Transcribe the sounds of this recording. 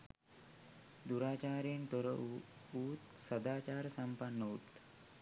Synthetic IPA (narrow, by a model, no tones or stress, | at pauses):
d̪uɾaːt͡ʃaːɾeːnt̪oɾə | uːt̪sɐd̪aːt͡ʃaːɾəsɐmpɐnːout̪